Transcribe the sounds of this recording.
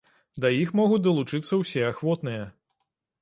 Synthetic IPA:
d̪ɐjixmɔɣut͡sʲd̪ɐlˠut͡ʂɨt̪sːɐwsʲɛaxvɔt̪nɨjɐ

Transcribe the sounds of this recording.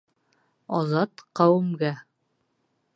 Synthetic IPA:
ɒzɑt̪qɑwɘ̆mɡæ

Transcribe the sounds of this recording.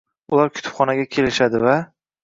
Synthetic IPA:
ʊlaɾkʲʰʊ̥t̪ʰʊ̥pχɒnaɡʲakʲʰe̞lɪʃad̪ɪva

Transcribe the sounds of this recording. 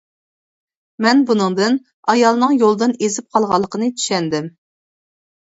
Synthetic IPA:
mɛnbunɨŋd̪ɨn | ɑjɑlˠnɨŋjolˠd̪ɨnezɪp̚qʰɑlˠʁɑlˠːəqʰənɨt̪ʰy̥ʃɛnd̪ɪm

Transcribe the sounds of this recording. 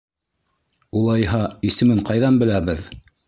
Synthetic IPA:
ulˠɑjɦɑisɘ̆mɘɴqɑjðɑnbɘ̆læβɘð

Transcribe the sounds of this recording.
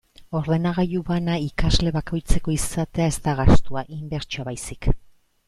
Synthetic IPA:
o̞ɾðe̞naɣ̞ajuβanaikazle̞βako̞jt͡se̞ko̞isat̪e̞ae̞zt̪aɣast̪uaʔimbe̞ɾt͡ʃoaβajsi̥k

